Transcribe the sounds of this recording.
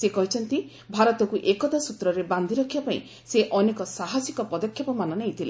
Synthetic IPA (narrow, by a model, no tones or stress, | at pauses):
sekɔɦit͡ʃʰɔnt̪i | bʱaɾɔt̪ɔkuʔekɔt̪asut̪ɾɔɾeband̪ʱiɾɔkʰibapaḭ̃ | seʔɔnekɔsaɦasikɔpɔd̪ɔkʰjɔpɔmanɔnejit̪ʰile